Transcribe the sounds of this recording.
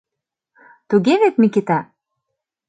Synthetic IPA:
t̪uɣeβet̪mikit̪a

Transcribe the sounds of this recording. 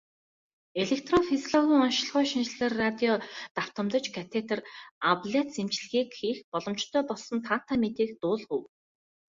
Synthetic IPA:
eɮek̚t̪rɔfisɮɔɣʲiːŋɔnʃ̆ɮχʊːʃinʃɮĕrːat̪ʲiɔt̪aw̥t̪ə̆mt̪ɞ̆t͡ɕkʰat̪ʰet̪ʰə̆rapɮet̪semt͡ɕɮɣiːkxiːxpɔɮɞ̆mt͡ɕt̪ʰœːpɔɮsɞ̆nt̪ʰan̥t̪ʰamet̪iːkt̪ʊːɮχuw

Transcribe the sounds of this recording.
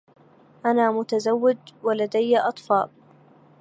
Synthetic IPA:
ʔanaːmʊt̪azawːɪd̪walad̪ajːaʔɑt̪ˤfɑːl

